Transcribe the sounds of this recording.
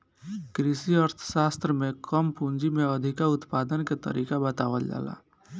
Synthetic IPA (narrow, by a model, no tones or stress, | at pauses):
kɾisiəɾt̪ʰsaːst̪ɾəmẽkəmpũnd͡ʒimeəd̪ʱikaʊt̪paːd̪ənket̪ə̰ɾʔiːkabət̪aːʋəld͡ʒa̰ːla̰ː